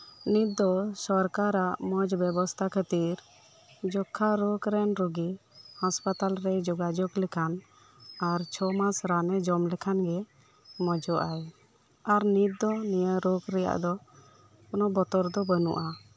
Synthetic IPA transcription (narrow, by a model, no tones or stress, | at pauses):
nid̪ɔsɔɾkaɾaʔmɔd͡ʒbɛbɔst̪ʰakʰət̪iɾ | d͡ʒɔkʰːaɾokɾɛnɾɔɡihɔspat̪alɾɛd͡ʒɔɡad͡ʒɔklɛkʰan | aɾt͡ʃʰɔmasɾanɛd͡ʒɔmlɛkʰanɡɛ | mɔd͡ʒɔʔaj | aɾnid̪ɔnijəɾokɾɛja̰ʔd̪ɔ | kɔnɔbɔt̪ɔɾd̪ɔbənṵʔa